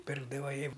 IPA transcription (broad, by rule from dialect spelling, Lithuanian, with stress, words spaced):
ˈpʲɪrɡdɐʋɐ ˈjɪ